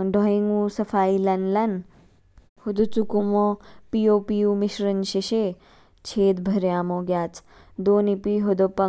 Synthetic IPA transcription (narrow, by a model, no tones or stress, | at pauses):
ɖʱɔĩŋɡũsɐfaːilɐnlɐn | hud̪ut͡sukumopijoːpijumiʃɾɐnʃiʃe | t͡ʃʰeːd̪bʱɐɾjaːmoɡjaːt͡s | d̪oːnipiɦod̪opɐ